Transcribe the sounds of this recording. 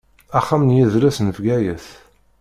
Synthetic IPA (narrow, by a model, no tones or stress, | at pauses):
æχːamnjiðɾæsnəvɡæjəθ